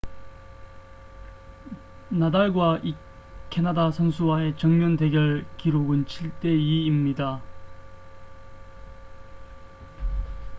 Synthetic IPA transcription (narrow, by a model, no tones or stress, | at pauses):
nadaɭɡwaʔi | kʰe̞nadasʰʌnsʰuwae̞t͡ɕʌŋmjʌnde̞ɡjʌɭkiɾoɡɯnt͡ɕʰiɭt͈e̞iimɲida